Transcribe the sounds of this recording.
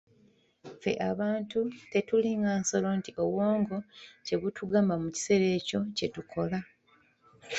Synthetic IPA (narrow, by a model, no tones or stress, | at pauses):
fe̞̰ʔaβaːntute̞tuliŋɡaːnso̞lo̞ntiʔo̞woːŋɡo̞ce̞ɣutʰuɡaːmbamuci̥se̞ɾe̞ːco̞ce̞tukʰo̞la